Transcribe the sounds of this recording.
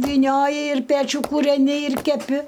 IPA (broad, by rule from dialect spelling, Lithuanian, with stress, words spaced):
ʋʲiːˈnʲoːjɪ ɪr ˈpʲæːt͡ʃʲuː kuːrʲɛˈnʲɪ ɪr kʲɛˈpʲɪ